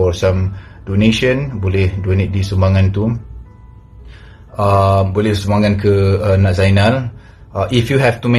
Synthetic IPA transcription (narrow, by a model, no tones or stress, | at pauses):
ɔsãm | doneʃə̃nbolɛhdonet̪̚disəmbaŋãnt̪u | abolɛhsəmbaŋãnkəanãʔzajnal | ʔifjuɦɛftumẽ